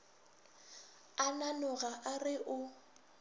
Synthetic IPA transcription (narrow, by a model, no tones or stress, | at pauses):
ananʊɣaʔarɪʔʊ